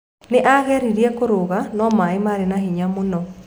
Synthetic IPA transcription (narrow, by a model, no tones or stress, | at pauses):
neʔaɣɛɾiɾiɛkoɾoɣanɔmaemaːɾenahiɲamonɔ